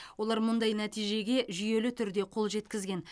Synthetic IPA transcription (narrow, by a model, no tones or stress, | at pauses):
wwo̞lˠɑɾmʊnd̪ɑjnæt̪ijʒe̞ɡʲe̞ʒʏje̞lɪt̪ʰʏɾd̪e̞qʰo̞lˠʒe̞t̪kʲɪzɡʲe̞n